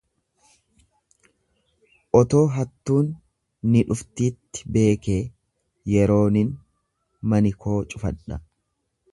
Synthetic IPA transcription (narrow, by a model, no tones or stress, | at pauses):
ʔɔt̪o̞ːɦɐt̪ːuːnː | ɪᶑʊft̪iːt̪ːɪ̥be̞ːke̞ː | jɛɾo̞ːnɪn | mɐnɪkʰo̞ːt͡ʃʼʊfɐᶑɐ